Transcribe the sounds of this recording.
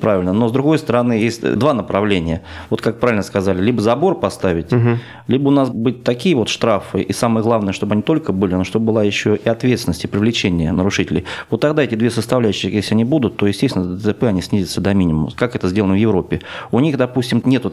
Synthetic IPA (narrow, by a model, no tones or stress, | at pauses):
pɾavʲɪlʲnənozd̪ɾʊɡo̞jst̪əɾɐnɨjesʲtʲd̪vanəpɾɐvlʲenʲɪjəvo̞t̪kak̚pɾavʲɪlʲnəskɐzalʲɪlʲibəzɐbo̞rpɐst̪avʲɪtʲ | lʲibəʊnasbɨt̚ʲt̪ɐkʲijəvo̞t̪ʂt̪ɾafɨʔisaməjəɡlˠavnəjəʂt̪o̞bəɐnʲit̪o̞lʲkəbɨlʲɪnoʂt̪ob̚əbɨlˠajɪɕːoʔɪɐt̪vʲet̪sʲɪnəsʲtʲɪpɾʲɪvlʲɪt͡ɕenʲɪjənəɾʊʂɨtʲɪlʲɪjvo̞t̪ːɐɡd̪aɛtʲɪd̪vʲesəst̪ɐvlʲæʉɕːɪjesʲlʲɪɐnʲibud̪ʊt̪ːojɪsʲtʲest̪ʲɪnəd̪ət̪əpɛɐnʲisʲnʲizʲɪt̪səd̪ɐmʲinʲɪmmʊməkakɛt̪əzʲdʲe̞lˠənəvjɪvɾo̞pʲːɪʊnʲixd̪ɐpusʲtʲɪmnʲet̪ʊ